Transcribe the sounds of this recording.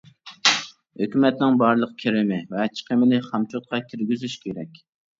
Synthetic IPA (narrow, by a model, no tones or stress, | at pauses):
høkʲymɛt̪nɪŋbɑɾlˠəqkʲʰeɾɪmɪvɛt͡ʃʰi̥qʰəmɪlɪχɑmt͡ʃʰot̪̚qʰɑkʲʰiɾɡʲyzyʃkʲʰeɾɛ̰kʲ